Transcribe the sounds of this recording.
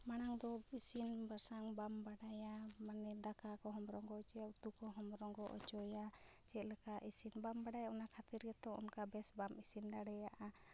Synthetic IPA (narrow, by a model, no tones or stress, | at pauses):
maɽ̃aŋd̪ɔisinbaɾsaŋbambaɖajamanɛd̪akakɔɦɔmɾɔŋɡɔɔt͡ʃɔjaut̪ukɔɦɔmɾɔŋɡɔʔɔ̰t͡ʃɔja | t͡ʃɛt̪̚lɛkaʔisinbambaɖajaɔnakʰat̪iɾɡɛt̪ɔɔ̰nkabɛsbamisind̪aɽɛjaʔa